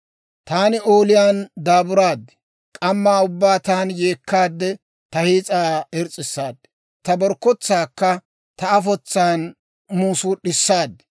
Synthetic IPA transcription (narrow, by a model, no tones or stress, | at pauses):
t̪aːnɪoːlɪjaːnd̪aːbʊɾaːd̪ːɛ̥ | kʼɐmːaːʊbːaːt̪aːnje̞ːkːaːd̪ːɛ | t̪ɐhiːt͡sʼaːɛɾt͡sʼːɪsːaːd̪ːɛ | t̪ɐbɔɾkːɔt͡sːaːkːɐ | t̪ɐːfɔt͡sːaːn | muːsuɗɪsːaːd̪ːɛ̥